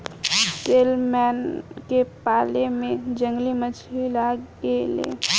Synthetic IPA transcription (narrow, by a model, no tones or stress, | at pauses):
seːlmɛːnkepaːlemẽd͡ʒə̃ŋɡlimət͡ʃʰilakelḛː